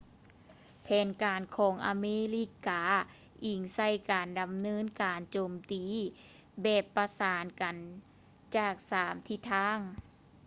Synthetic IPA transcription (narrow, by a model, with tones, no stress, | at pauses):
pʰɛː˨˧nkaː˨nkʰɔː˨˩˦ŋʔa̰˨˧meː˧˥li˧˩kaː˨˧ | ʔi˨˧˩ŋsa˧˩jkaː˨˩nda˨˩mnɤː˧˥˨nkaː˨˩nt͡ɕoː˨˩mt̪iː˨ | bɛː˨˩pːa˧saː˨˦nka˨n | t͡ɕaː˧˩k̚saː˩˦mt̪ʰi˧˩t̪ʰaː˧˥˩ŋ